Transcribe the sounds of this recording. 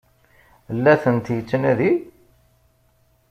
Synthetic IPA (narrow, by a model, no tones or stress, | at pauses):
lːæθənt̪jət͡sːənæði